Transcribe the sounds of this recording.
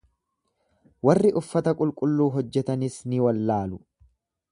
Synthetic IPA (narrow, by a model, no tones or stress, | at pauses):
wɐrːɪʔʊfːɐt̪ɐkʼʊlkʼʊlːuːɦɔd͡ʒːɛt̪ɐnɪsnɪwɐlːaːlʊ